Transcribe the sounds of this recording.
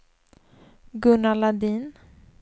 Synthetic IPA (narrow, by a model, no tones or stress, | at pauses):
ɡɵnːalad̪iːn